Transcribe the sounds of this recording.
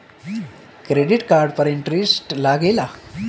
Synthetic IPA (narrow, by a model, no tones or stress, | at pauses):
kɾeɖiʈkaɾɖpəɾiɳʈɾisʈlaɡela